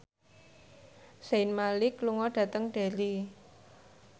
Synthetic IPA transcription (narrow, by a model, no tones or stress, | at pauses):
senmalɪkluŋɔɖ̥ä̤t̪əŋɖ̥e̤li